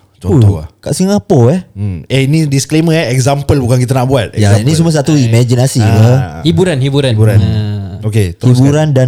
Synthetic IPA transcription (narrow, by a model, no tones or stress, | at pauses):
t͡ʃɔutɔka̰ʔsiŋapəɛheinidiskleməaɛkzampəlbukankit̪̬anaʔbuat̪̚ɛjainis̬uməs̬at̪uimad͡ʒinasiləhibuɾanhibuɾabuɾan | oket̪ibuɾandan